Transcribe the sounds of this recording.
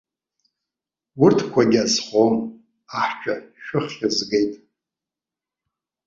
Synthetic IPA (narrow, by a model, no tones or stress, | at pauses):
wʊrtʰkʷʰaɡʲazχʷom | aħt͡ʃʷᶣʰʼaʃᶣʊχʲɪzɡejtʼ